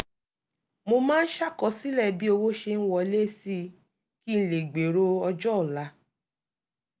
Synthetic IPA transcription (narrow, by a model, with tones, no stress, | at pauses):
mo˧mãː˦n̩˦ʃa˦˨kɔ˧˨si˦lɛ˦˨bi˦o˧wo˦ʃe˧n̩˦wɔ˨˧le˦si˦ | ki˦n̩˨le˨ɡ͡be˨ɾo˧˦ɔ˧d͡ʒɔ˦˨la˨˦